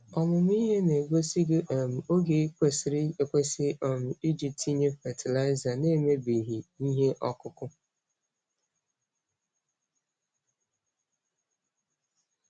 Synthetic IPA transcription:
ɔ˨mʊ˨m˦i˦ɦe˦ne˨ɡʷo˦si˦ɡe˦ʔe˨m̩˨o˦ɡe˨˦kʷe˦sɪ˨ɾɪ˦e˨kʷe˦sɪ˦ʔɔ˨mʊ˨i˦d͡ʒi˨p̚ti˦ɲe˦fɛ˨tʰɪ˨la˦ɪ˦za˨ne˦me˦bi˨ɦi˨i˦ɦe˦ʔɔ˦kʊ˦kʊ˦

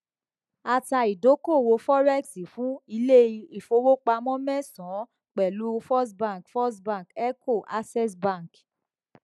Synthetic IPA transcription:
a˨ta˧i˨do˨˦ko˦˨wo˧fɔ˦ɾɛ˦˨ksi˨fũ˦i˧le˦i˧i˨fo˧wo˦k͡pa˧mɔ̃˦mɛ̃˦˨sɔ̃˨˦ | k͡pɛ˨lu˦fɔ˦s̬bã˦˨kfɔ˦s̬bã˦˨kɛ˦ko˦˨ʔa˦sɛ˦sbã˦˨k

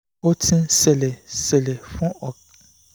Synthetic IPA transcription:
o˦tʰĩ˦se˨le˨se˨le˨fʊ̃˦ɔ˨k

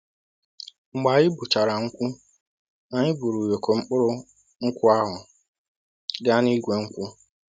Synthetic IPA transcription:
ŋ͡m̩˨ɡ͡ba˨ɲɪ˦bu˨t͡ʃa˨ɾa˨ŋ̩˦kʷu˦ | na˨ɲɪ˦bu˨ɾu˨jo˨kʰo˨ŋ͡m̩˦k͡pʊ˦ɾʊ˦ | ŋ̩˦kʷʊ˦a˦ɦʊ˨ | ɡa˦ni˦ɡʷe˨ŋ̩˦kʷu˦

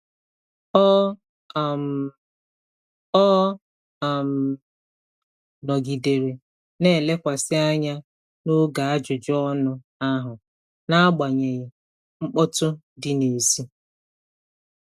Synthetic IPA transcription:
ɔ˦˨ | ɔ˦˨ | m̩˨ | nɔ˨ɡi˨de˨ɾe˨ | ne˦˨le˦kʷa˨sɪ˦a˦ɲa˦ | no˦ɡa˨a˦d͡ʒʊ˨d͡ʒɔ˦nʊ˦ | a˦ɦʊ˨ | na˦a˦ɡ͡ba˨ɲe˨ɣɪ˨ | ŋ͡m̩˦k͡pɔ˦tʊ˦ | dɪ˨ne˨zi˦

